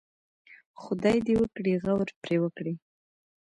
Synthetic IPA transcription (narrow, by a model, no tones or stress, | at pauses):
xʊd̪ɑjd̪ewəkɽiɣawɾpɾewəkɽi